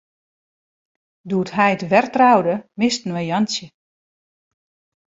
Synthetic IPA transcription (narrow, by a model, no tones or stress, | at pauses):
duətɦɛjətʋɛrtrawdəmɪstnʋəjansjə